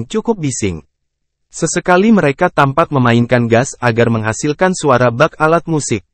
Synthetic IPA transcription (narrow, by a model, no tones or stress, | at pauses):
ŋt͡ʃukʊp̚bisɪ̰ŋ | səsəkaliməɾekat̪ampat̪̚məmainkanɡasaɡarməŋɦasilkansuaɾabak̚alat̪̚musɪk̚